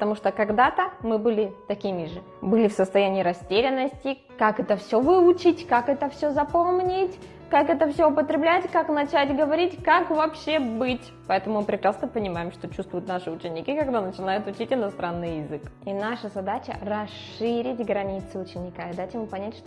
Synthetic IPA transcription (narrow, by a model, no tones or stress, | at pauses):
pə̥t̪ɐmuʂt̪okɐɡd̪at̪əmɨbɨlʲɪt̪ɐkʲimʲɪʐɨ | bɨlʲɪfsəst̪ɐjænʲɪːɾɐsʲtʲeɾʲɪnːəsʲtʲɪ | kakɛt̪əfsʲovɨʊt͡ɕɪtʲkakɛt̪əfsʲozɐpomnʲɪtʲ | kakɛt̪əfsʲoʊpət̪ɾʲɪblʲætʲkaknɐt͡ɕætʲɡəvɐɾʲitʲkakvɐpɕːe̞bɨtʲ | pɐɛt̪əmʊmɨpɾʲɪkɾasnəpənʲɪmajɪmʂt̪o̞t͡ɕust̪vʊjʊt̪naʂɨʊt͡ɕɪnʲːɪkʲikɐɡd̪anət͡ɕɪnajʊt̪ʊt͡ɕitʲɪnɐst̪ɾanːɨjjɪzɨkinaʂəzɐd̪at͡ɕə̰rɐsɨɾʲɪtʲɡɾɐnʲit̪sɨʊt͡ɕɪnʲɪkaɪd̪at͡ɕʲɪmɨpɐnʲætʲʂt̪